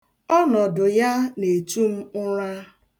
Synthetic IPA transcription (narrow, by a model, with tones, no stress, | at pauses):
ɔ˦nɔ˨dʊ˨ja˦ne˨tu˦m̩˦ʊ˦ɾa˦